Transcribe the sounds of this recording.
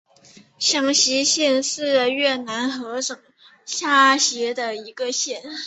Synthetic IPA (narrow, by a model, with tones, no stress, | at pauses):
ɕjɑ˧˥ŋɕi˧˥ɕjɛ˥˧nʂɻ̩˥˩ɥɛ˥˩na˧˥nxɤ˧˥ʈ͡ʂɤ˨˩ŋ | ɕja˥˩ɕjɛ˧˥d̪ə˧i˧˥ɡə˧ɕjɛ˥˩n